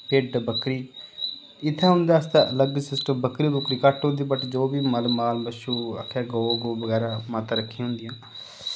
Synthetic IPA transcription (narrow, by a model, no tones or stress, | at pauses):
peɖbəkɾiː | ɪt̪ʰːẽːʊ̃nd̪aːst̪eʔələɡsɪsʈəmbəkɾiːbʊkɾiːkəʈɦõnd̪iːbəʈd͡ʒoːbiːməlmaːlbəʃuːə̰kʰːaːɡoːɡoːbəɡɛːɾaːmat̪aɾəkʰːĩɦʊ̃nd̪ijãː